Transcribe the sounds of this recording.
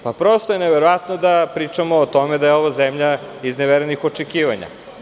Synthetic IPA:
papɾo̞st̪ojeneʋeɾoʋat̪nod̪apɾiːt͡ʂamoːt̪omed̪ajeoʋazemʎa | izneʋeɾenixot͡ʂekiːʋaɲa̰

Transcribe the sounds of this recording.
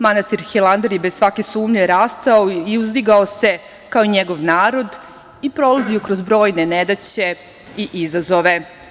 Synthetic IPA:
manast̪iɾxilˠand̪eɾjebezsʋake̞suːmʎeɾaːst̪aoiuzd̪iɡao̞se̞ | kaoiɲeɡo̞ʋnaːɾo̞d̪ | ipɾo̞laziokɾozbɾo̞ːjne̞ned̪at͡ɕe̞ | iʔizazo̞ʋe̞

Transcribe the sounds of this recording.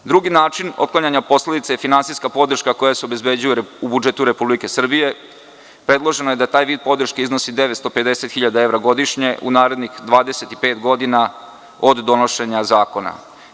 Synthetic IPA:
d̪ɾuɡinaːt͡ʃinot̪̚klaɲaɲapo̞sle̞d̪it̪seajefinansiskapo̞d̪r̩ʃkako̞jaseobezbe̞d͡ʑujuubud͡ʒe̞t̪uɾe̞publike̞sr̩bije̞ | pɾe̞d̪lˠo̞ʒe̞nojed̪at̪aːjʋiːd̪̚po̞d̪r̩ʃkeizno̞sid̪e̞ʋet̪st̪o̞ped̪e̞set̪xiʎad̪ae̞ʋɾaɡo̞d̪iʃɲe̞ʔṵnaːɾe̞d̪nixd̪ʋaːd̪eset̪ipe̞ːt̪ɡo̞d̪ina | od̪ːono̞ʃe̞ɲazaːko̞na̰

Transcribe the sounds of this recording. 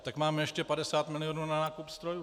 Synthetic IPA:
t̪akmaːmɛjɛʃcɛpadɛsaːt̪mɪlɪoːnuːnanaːkupst̪ɾoju

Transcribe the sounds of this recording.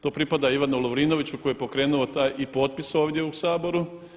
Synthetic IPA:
t̪o̞ːpɾipad̪aiʋanulˠoʋɾiːno̞ʋit͡ɕuko̞jepo̞kɾe̞ːnuot̪aːjʔipo̞ːt̪̚pisoːʋd̪ʲjeusaːbo̞ɾu

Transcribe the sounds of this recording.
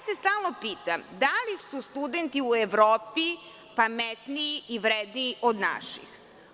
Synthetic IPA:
sest̪aːlˠnopiːt̪amd̪alisust̪ud̪ent̪iueʋɾoːpi | pamet̪niːiʋɾed̪niːʔod̪na̰ʃḭx

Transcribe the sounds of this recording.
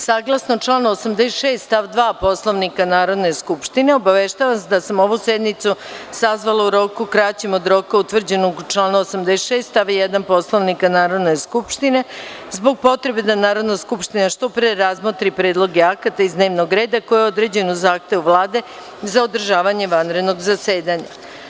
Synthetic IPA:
saːɡlˠasnot͡ʃlˠaːnosamd̪esʃe̞ːst̪t̪aʋd̪ʋaːpo̞slˠoʋnikanaːɾo̞d̪ne̞skupʃt̪ineobaʋeʃt̪aːʋasd̪asamo̞ʋusjed̪nit̪susazʋalauɾo̞ːkukɾat͡ɕemo̞d̪ɾo̞kaut̪ʋr̩d͡ʑenoɡt͡ʃlaːnaosamd̪esʃe̞ːst̪aʋijed̪anpo̞slˠoʋnikanaːɾo̞d̪ne̞skupʃt̪ine̞ | zbo̞ɡ̚po̞t̪ɾe̞be̞d̪anaːɾo̞d̪naskupʃt̪inaʃt̪o̞pɾeɾazmot̪ɾipɾe̞ːd̪lˠo̞ɡeakat̪aizd̪ne̞ːʋno̞ɡɾe̞ːd̪ako̞jeod̪ɾe̞ːd͡ʑe̞nuzaːxt̪e̞ʋuʋlˠaːd̪e̞ | zao̞d̪r̩ʒaːʋaɲe̞ʋanɾe̞d̪no̞ɡzase̞ːd̪aɲa̰

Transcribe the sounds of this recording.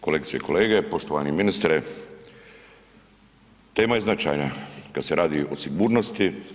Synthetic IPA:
ko̞lek̚t̪sijḛkʰoleːɡepoʃt̪oʋa̰niminist̪ɾe | t̪e̞ːmajeznat͡ʃa̰jnakad̪seɾʔaːd̪iosiɡuːɾnost̪i

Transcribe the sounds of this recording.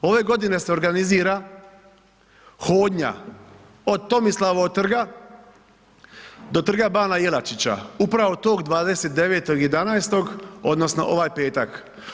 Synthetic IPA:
o̞ʋe̞ɡo̞d̪ine̞se̞o̞ɾɡaniziːɾa | xoːd̪ɲa̰ | o̞d̪̚t̪o̞mislˠaʋot̪r̩ɡa | d̪o̞t̪r̩ɡabaːnajelat͡ʃit͡ɕa̰upɾaʋo̞t̪o̞ːɡd̪ʋaːd̪e̞se̞t̪d̪e̞ʋe̞ːt̪o̞ɡije̞d̪anajst̪o̞ɡo̞d̪nosno̞̰ʔo̞ʋajpe̞ːt̪a̰k

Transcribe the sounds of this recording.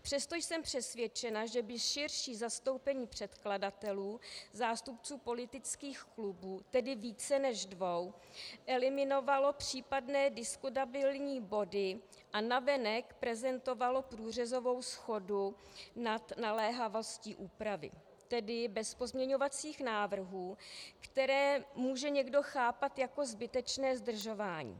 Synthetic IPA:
pr̝̥ɛst̪o̞jsɛmpr̝̥ɛsvjɛt͡ʃɛnaʒɛbɪʃɪrʃiːzast̪o̞wpɛɲiːpr̝̥ɛt̪kladat̪ɛluːzaːst̪upt͡suːpo̞lɪt̪ɪt͡skiːxklubuːt̪ɛdɪviːt͡sɛnɛʒdvo̞wʔɛlɪmɪno̞valo̞pr̥iːpadnɛːdɪskut̪abɪlɲiːbo̞dɪ | ʔanavɛnɛkpɾɛzɛnt̪o̞valo̞pɾuːr̝ɛzo̞vo̞wsxo̞dunat̪nalɛːɦavo̞sciːʔuːpɾavɪ̰ | t̪ɛdɪbɛspo̞zmɲɛɲo̞vat͡siːxnaːvr̩ɦuːkt̪ɛɾɛːmuːʒɛɲɛɡdo̞xaːpat̪jako̞zbɪt̪ɛt͡ʃnɛːzd̪r̩ʒo̞vaːɲḭː

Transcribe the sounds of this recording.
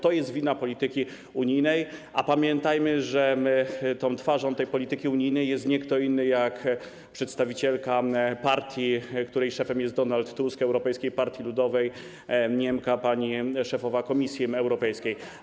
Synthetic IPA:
t̪ɔjɛst̪vʲinapɔlʲit̪ɘkʲi | uɲijnɛjʔapamʲjɛnt̪ajmɘʐɛt̪ɔ̃w̃t̪faʐɔ̃w̃t̪ɛjpɔlʲit̪ɘkʲiuɲijnɛjːɛst̪ɲɛkt̪ɔinːɘjak | pʂɛt̪st̪avʲit͡ɕɛlkapaɾt̪ʲjikt̪uɾɛjʂɛfɛmjɛst̪d̪ɔnalt̪ːuskɛwɾɔpɛjskʲejpaɾt̪ʲjilud̪ɔvɛj | ɲɛmkapaɲiʂɛfɔvakɔmʲisʲjiɛwɾɔpɛjskʲej

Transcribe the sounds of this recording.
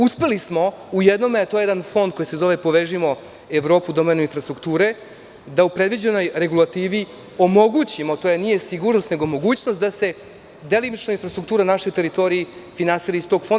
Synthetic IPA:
uspe̞lismo̞ujed̪no̞met̪o̞jejeanfo̞nd̪̚ko̞jise̞zo̞ʋe̞po̞ʋeʒimo̞ | eʋɾo̞ːpud̪o̞menuinfɾast̪ɾukt̪uːɾe̞ | d̪aupɾe̞d̪ʋid͡ʑe̞no̞jɾe̞ɡulˠat̪iːʋi | o̞mo̞ɡut͡ɕimot̪o̞ːjenije̞siɡuːɾnost̪ne̞ɡo̞mo̞ɡuːt͡ɕnost̪d̪ase̞ | d̪e̞limit͡ʃnainfɾast̪ɾuk̚t̪uːɾanaʃo̞jt̪e̞ɾit̪o̞ɾijifinansiɾist̪o̞ɡfond̪

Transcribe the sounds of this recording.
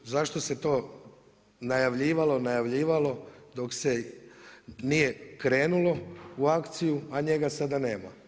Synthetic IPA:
zaʃt̪o̞se̞t̪o̞ː | najaʋʎiːʋalˠo̞najaʋʎiːʋalo̞d̪o̞kse | nije̞kɾe̞ːnulo̞uakt̪sijuaɲe̞ɡasad̪aneːma

